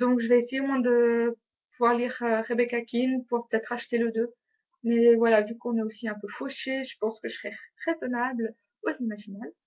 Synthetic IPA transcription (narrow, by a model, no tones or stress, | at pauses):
d̪ɔ̃kʒəvɛːsejemwɛ̃d̪ə | puvwaʁliʁøʁebekakʲʰinpuʁpə̥t̪ɛt̪χaʃt̪eləd̪ø | mɛvwalavykɔ̃nɛosiɛ̃pøfoʃeʒəpɑ̃skəʒəsʁɛʁezɔnabl | ozimaʒinab